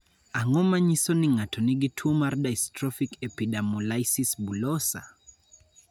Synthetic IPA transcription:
aŋɔmaɲisɔniŋatʰɔniɡitʰumaɾɗajstɾɔfikɛpiɗamɔlajsisbulɔsa̰

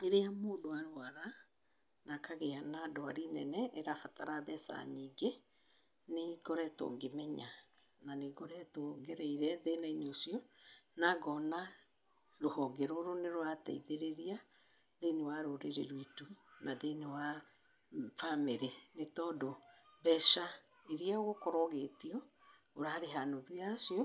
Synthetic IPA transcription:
eɾeamoːdoaɾoaɾa | nakaɣeanadoaɾinɛ̰nɛʔeɾafataɾaβɛsa̰ɲiːŋɡe | neɡɔɾɛto̰ːŋɡemɛɲa | naneɡɔɾɛtoŋɡɛɾɛiɾɛðenaineosiɔnaɡɔna | ɾohɔːɡɛɾoɾoneɾwata̰iðeɾeɾia | ðenewaɾoɾeɾḛɾwitunʔaðenewa | fameɾenetɔdoβɛʃa | eɾiaɣokɔɾɔɣetiɔ | oɾaɾeɦanoðujasiɔ

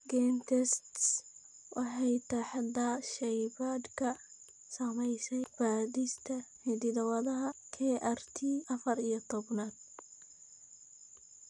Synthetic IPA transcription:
ɡɛnt̪ʰɛst̪s | wʔɑħɛjt̪ʰɐħɑd̪aʃɛjbad̪kʰɐ | sɐmɛjsɛjb̥aːdist̪ʰɐħɪd̪ɪðɐwɐðɐɦɐkʰɛːʔart̪ʰiːʔɐfɐɾijɔt̪ʰɔbnaːd̪̥̚

